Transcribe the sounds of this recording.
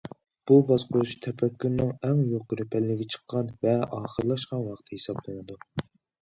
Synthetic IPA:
b̥ubɑzqʰouʃt̪ʰɛpʰɛkʲːyɾnɨŋɛŋjoqɾɪpʰɛlːɪɡʲɛt͡ʃʰə̥qːɑnvɛʔɑːχəɾlˠɑʃqɑnwɑχt̪ʰɨhesɑblˠɨnɨd̪u

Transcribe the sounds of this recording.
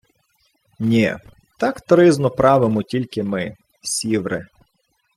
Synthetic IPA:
nʲɛ | t̪ɑkt̪ɾɪznɔpɾɑʋɪmɔtʲilʲkɪmɪ | sʲiʋɾɪ̰

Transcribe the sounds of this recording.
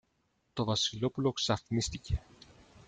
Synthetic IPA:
t̪o̞vɐsilo̞pulo̞ksɐθnist̪ice̞

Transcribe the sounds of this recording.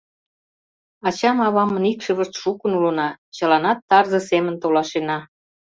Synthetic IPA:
ɑt͡ɕɑmɑβɑmə̆nikʃə̆βə̆ʃt̪ʃukənulɤ̆nɑt͡ɕɤ̆lɑnɑt̪ːɑrzɤ̆semə̆nt̪olɑʃenɑ

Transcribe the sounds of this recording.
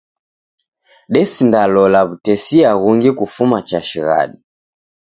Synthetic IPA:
ɗɛsindalɔlaβutɛsiaɣuŋɡikufumat͡ʃaʃiɣa̰ɗi

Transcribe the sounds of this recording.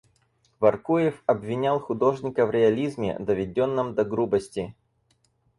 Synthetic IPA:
vɐrkujɪfɐbvʲɪnʲalˠxʊd̪o̞ʐnʲɪkəvɾʲɪɐlʲizmʲɪ̰d̪əvʲɪdʲonːɨmd̪ɐɡɾubəsʲtʲɪ

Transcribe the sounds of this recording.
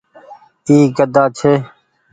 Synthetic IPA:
iːɡəd̪aːt͡ʃʰeː

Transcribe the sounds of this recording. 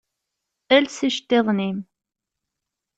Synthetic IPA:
ælsiʃt̪ːeðˤnim

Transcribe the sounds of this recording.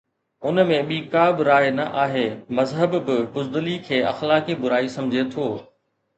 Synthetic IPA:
ʊnmẽɓiːkaːbɪɾaːjnɐʔaːɦeːmɐzɦəbbɪbʊzd̪ʊlikʰeːɐ̰xlaːkibʊɾaːisɐ̃md͡ʑʱet̪ʰoː

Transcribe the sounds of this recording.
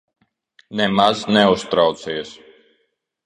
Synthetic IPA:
nɛmaznɛust̪ɾawt̪siɛs

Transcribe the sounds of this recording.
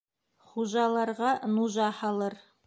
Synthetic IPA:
χuʒɑlˠɑɾʁɑnuʒɑhɑlˠɤɾ

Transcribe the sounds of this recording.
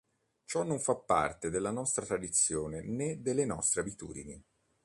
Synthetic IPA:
t͡ʃɔnːoɱfapːa̰rt̪ed̪elːanɔst̪ɾat̪ɾad̪it̪sːjoːnened̪elːenɔ̰st̪ɾeabit̪ṵːd̪ini

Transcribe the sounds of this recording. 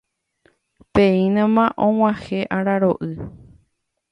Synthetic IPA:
peĩnãmãʔõw̃ãheʔaɾaɾoʔɨ

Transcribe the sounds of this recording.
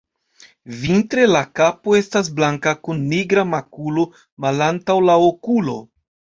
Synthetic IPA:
vintɾe̞lakapo̞e̞stas̬blaŋkakunːiɡɾamakulo̞ | malantawlaokulo̞̰

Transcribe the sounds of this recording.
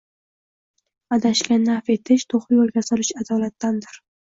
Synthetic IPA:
ad̪aʃɡʲanafe̞t̪ʰɪʃt̪ʰoχɪjolˠɡʲasɒlɪʃad̪ɒlat̪ːand̪ɪɾ

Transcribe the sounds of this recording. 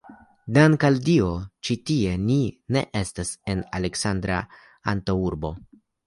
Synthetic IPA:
dankaldiot͡ʃitie̞nine̞̰ʔe̞stase̞nale̞ksandɾa̰ | a̰ntouɾbo̞̰

